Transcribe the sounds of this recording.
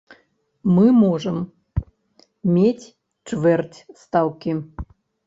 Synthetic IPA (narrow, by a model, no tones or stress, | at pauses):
mɨmoʐəm | mʲetʲ | t͡ʂvɛrtʲst̪awkʲi